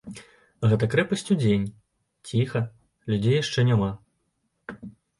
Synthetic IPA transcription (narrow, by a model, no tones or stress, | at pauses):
ɣɛt̪ɐkɾɛpɐsʲt͡sʲud͡zʲenʲ | t͡sʲixɐ | lʲud͡zʲejaʂt͡ʂɛnʲama